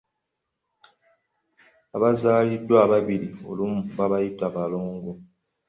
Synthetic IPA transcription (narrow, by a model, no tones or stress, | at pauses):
abazaːlidwababiɾio̰lum̩baβajitabalɔŋɡo